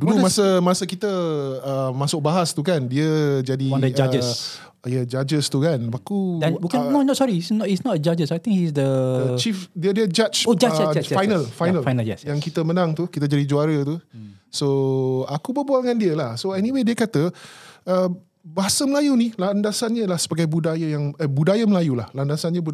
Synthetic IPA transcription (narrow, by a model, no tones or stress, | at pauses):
dulumasəmasəkit̪əəmasʊk̚baɦast̪ukandiəd͡ʒadiwãndəd͡ʒad͡ʒəss | jəd͡ʒad͡ʒəst̪ukanakudãnbukinonɔtsɔɾiisnɔtisnɔtəd͡ʒad͡ʒəsajt̪ĩŋhisd̪ət͡ʃifdiədiəd͡ʒat͡ʃod͡ʒaaajnəlfajnəlfajnəljɛsjaŋkit̪əmənãŋt̪ukit̪əd͡ʒadid͡ʒuaɾət̪usoakubəbualŋandiəlahsoɛniwediəkat̪əə | baɦasəməlajunilandasanɲəlahsəbaɡajbudajəjaŋəbudajaməlajulahlandasanɲə̃bu